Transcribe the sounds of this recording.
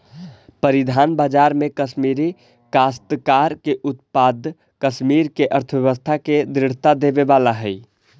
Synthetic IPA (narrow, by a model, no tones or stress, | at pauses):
pəɾid̪ʱanbad͡ʒaɾmekəʃmiɾi | kast̪kaɾkeʔut̪̚pad̪ʱ | kəʃmiɾkeʔəɾt̪ʰəbjəʋəst̪ʰaked̪ɾɪɽ̤t̪ad̪ebebalaɦəj